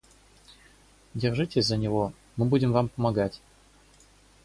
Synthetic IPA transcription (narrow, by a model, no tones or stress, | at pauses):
dʲɪrʐɨtʲɪsʲzənʲɪvo̞ | mɨbudʲɪmvampəmɐɡatʲ